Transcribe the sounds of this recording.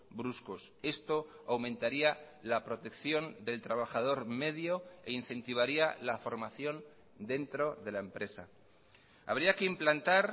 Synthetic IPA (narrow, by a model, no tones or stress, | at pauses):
bɾuskos | e̞st̪o̞ | awmẽ̞nt̪aɾia | lapɾo̞t̪e̞kθjo̞nd̪e̞lt̪ɾaβ̞axaðo̞ɾme̞ðjo̞e̞in̟θe̞nt̪iβ̞aɾialafo̞ɾmaθjo̞n | d̪e̞nt̪ɾo̞ðe̞laempɾe̞sa̰ | a̰β̞ɾiake̞implant̪aɾ